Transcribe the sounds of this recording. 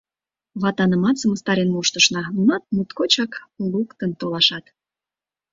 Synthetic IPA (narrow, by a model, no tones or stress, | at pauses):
βɑt̪ɑnəmɑt͡səməst̪ɑɾenmoʃt̪əʃnɑnɑt̪̚mut̪kot͡ɕɑklukt̪ənt̪olɑʃɑt̪